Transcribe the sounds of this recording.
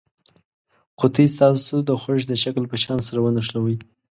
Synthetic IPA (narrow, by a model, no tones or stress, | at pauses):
qʊt̪is̬t̪ɑsod̪əxoʃd̪əʃaklpəʃɑnsaɾawənaʂlawəj